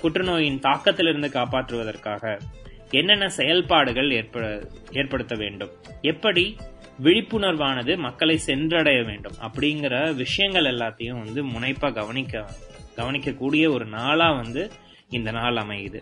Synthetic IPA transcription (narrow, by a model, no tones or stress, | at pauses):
kʊʈrɯnoːjɪnt̪aːkːɐt̪ːɪlɪɾɯnd̪ɯkaːpaːʈrɯʋɐðɐrkaːɣɐ | ɛnːɛnːɐsɛjɐlpaːɽɯɣɐɭeːɾpɐeːɾpɐɽɯt̪ːɐʋeːɳɖɯm | ɛpːɐɽi | ʋɪɻɪpːɯnɐɾʋaːnɐðɯmɐkːɐɭɐɪsɛndɾɐɽɐjɐʋeːɳɖɯmɐ̰pːɐɽɪjŋɡɪɾɐʋɪʂɐjɐŋɡɐɭɛlːaːt̪ːɐjʊ̃ʋɐnd̪ɯmʊnɐɪpːaːɡɐʋɐnɪkːɐɡɐʋɐnɪkːɐkːuːɽɪjɐɔɾɯnaːlaːʋɐnd̪ɯ | ɪnd̪ɐnaːlɐmɐɪðɯ